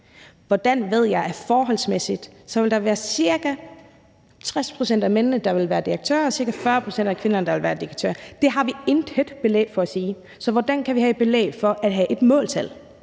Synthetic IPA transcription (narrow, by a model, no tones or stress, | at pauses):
ʋɒd̥ænʋe̝ð̞̰ˠjɑ̈ɪæɐfɒːɦɒ̽lsmesid̥sɒ̽ʋe̝ld̥ɑ̈ʋæːɐsiɐɡ̥æ | t͡sʰʁaspʰʁo̝sen̰d̥æmennəd̥ɑ̈ʋe̝lʋæːɐd̥iʁeɡ̥̚t͡sʰø̰ːɐɒ̽siɐɡ̥æfɶːɐpʰʁosen̰dækʰʋe̝nɐnəd̥ɑ̈ʋe̝lʋæːɐd̥iʁɡ̥t͡sʰø̰ɐd̥e̝ɦɑ̈ʋie̝nd̥ed̥b̥e̝lḛːfɒ̽æsiː | sɒ̽ʋɒd̥ænkʰæʋiɦæed̥̚b̥e̝lḛːfɒ̽ʔæd̥ɦæʔe̝d̥mɔ̰̽ːlt͡sʰel